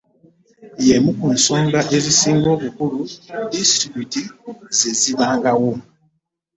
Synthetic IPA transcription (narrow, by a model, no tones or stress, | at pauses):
jemukun̩sɔŋɡaʔezisiŋɡoβukuɾudisɾibutizeziβaŋɡawo